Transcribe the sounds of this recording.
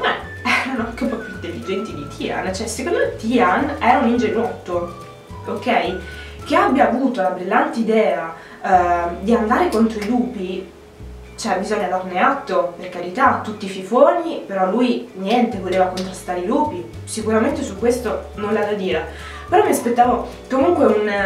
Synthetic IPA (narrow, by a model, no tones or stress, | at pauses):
ɛ | ɛɾanoaŋkepːɔpjuint̪elːid͡ʒɛnt̪id̪it̪ʰia̰nt͡ʃɛsekond̪omet̪ianɛːɾaunind͡ʒenuɔt̪ːo | okːɛj | keabjaːvuːt̪olabɾilːant̪eid̪ɛːa | d̪iand̪aːɾekont̪ɾoiluːpi | t͡ʃoɛbizɔɲːad̪arneat̪ːoperkaɾit̪at̪ːut̪ːififoːnipeɾɔlːujnjɛnt̪evoleːvakont̪ɾast̪aːɾeiluːpi | sikuɾament̪esukːwest̪ononlad̪ad̪iːɾa | peɾɔmiaspet̪ːaːvo | komuŋkweun